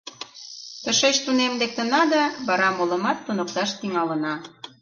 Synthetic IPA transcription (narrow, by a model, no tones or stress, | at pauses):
t̪ə̆ʃet͡ɕt̪unemlek̚t̪ə̆nɑd̪ɑβɑɾɑmolə̆mɑt̪ːunə̆k̚t̪ɑʃt̪iŋɑlə̆nɑ